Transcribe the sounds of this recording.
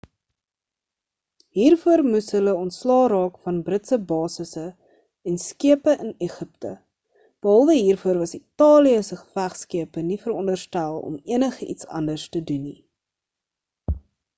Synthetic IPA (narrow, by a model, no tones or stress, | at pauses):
ɦiːrfuərmusɦələɔntslɑːɾɑːkfɐnbrətsəbɑːsəsə | ɛnskiəpəʔəneχəptə | b̥əɦɐlˠvəɦiːrfuərvɐsitɑːliəsəχə̥fæχskiəpənifəɾɔndərstælˠɔ̰miənəχəʔḭtsɐ̰ndərstəduni